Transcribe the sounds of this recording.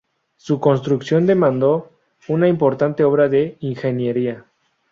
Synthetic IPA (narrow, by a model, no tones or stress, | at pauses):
suko̞ns̬t̪ɾuksjo̞nd̪e̞mãnd̪o̞ | unaimpo̞ɾt̪ant̪e̞o̞βɾaðe̞iŋxe̞njeɾia